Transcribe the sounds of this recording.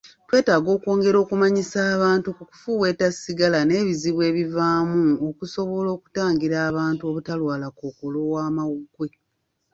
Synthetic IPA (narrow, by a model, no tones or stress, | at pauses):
twe̞ːtaːɡo̞ːko̞ːŋɡe̞ɾo̞ːkumaɲisaːβaːntukuku̥fuwe̞ːtasiɡalane̞ːβiziβwe̞ːβivaːmuokuso̞βo̞lo̞ːku̥taːŋɡiɾaːβaːntuo̞βutalwaːlakoːkolo̞waːmawuɡwe̞